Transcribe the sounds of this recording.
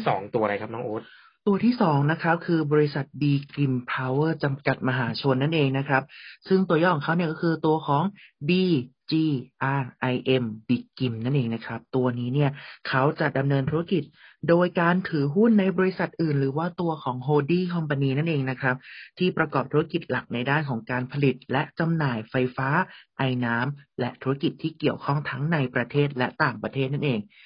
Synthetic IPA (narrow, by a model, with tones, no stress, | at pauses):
sɔ̰ː˩˦ŋt̪u˧ɐɾa˧jkʰa˦˥p̚nɔː˦˥ʔoː˦˥t̪̚ | t̪u˧ɐt̪ʰiː˥˩sɔː˩˦ŋna˦˥kʰɾa˦˥p̚kʰɯː˧bɔː˧ɾi˦˥sa˨˩t̪̚biː˧ki˨˩mpʰaː˧wɤː˥˩t͡ɕa˧mka˨˩t̪̚ma˧ɦaː˩˦t͡ɕʰo˧nːa˥˩nʔeː˧ŋna˦˥kʰɾa˦˥p̚sɯ˥˩ŋt̪u˧ɐjɔː˥˩˨kʰa˦˥wni˥˩kɔː˥kʰɯː˧t̪u˧ɐkʰɔː˩˦ŋbiː˧t͡ɕiː˧ʔaː˧ʔa˧jʔe˧mbiː˨˧˩ki˨˩mna˥˩nʔeː˧ŋna˦˥kʰɾa˦˥p̚t̪u˧ɐniː˦˥ni˥˩ɐkʰa˦˥wt͡ɕa˨˩da˧mnɤː˧nt̪ʰuː˦˥ɾa˥ki˨˩t̪̚doː˧jkaː˧nt̪ʰɯː˨˩˦ɦu˥˩nːa˧jbɔː˧ɾi˧˥sa˨˩t̪̚ʔɯː˨˩nɾɯː˩˦waː˥˩t̪u˧ɐkʰɔː˩˦ŋɦoː˧diː˥˩kʰɔ˧mpa˧niː˧na˥˩nʔeː˧ŋna˦˥kʰɾa˦˥p̚t̪ʰiː˥˩pɾa˧kɔː˨˩p̚t̪ʰuː˦˥a˥ki˨˩t̪̚la˨˩k̚na˧jdaː˥˩nkʰɔː˩˦ŋkaː˧npʰa˧li˨˩t̪̚lɛ˦˥ʔt͡ɕa˧mnaː˨˩jfa˧jfaː˦˥ʔa˧jnaː˦˥mlɛ˦˥ʔt̪ʰuː˦˥a˥ki˨˩t̪ʰːiː˥˩ki˨˩əwkʰɔ˥˩ŋt̪ʰa˦˥ŋna˧jpɾa˧t̪ʰeː˥˩t̪̚lɛ˦˥ʔt̪aː˨˩ŋpɾa˧t̪ʰeː˥˩t̪̚na˥˩nʔeː˧ŋ